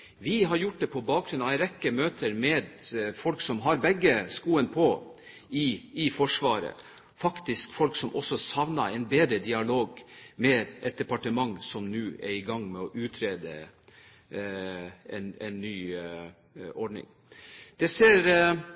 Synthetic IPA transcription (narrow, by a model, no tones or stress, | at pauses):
ʋɪɦɑɾjʊʈ̚d̪ɛpʰɔbɑːk̚ɡɾʉnɑɛɪɾɛkːəmøːt̪ʰəɾmɛːd̪fɔlksɔmɦɑɾbɛɡːəskuːənpʰɔ | ɪɪfɔʂʋɑːɾə̰ | fɑkt̪ɪskfɔlksɔmʔɔsːɔsɑʋnɑɛɪnbeːd̪ɾəd̪ɪɑloːɡmɛd̪ʔɛt̪̚d̪ɛpɑʈəmɑŋsɔmnʉːɛɾɪɡɑŋmɛɔʔʉːt̪ʰɾeːd̪ə̰ | ɛnɛnːyː | ɔɖɳɪ̰ŋ | d̪̥ɛseːɾ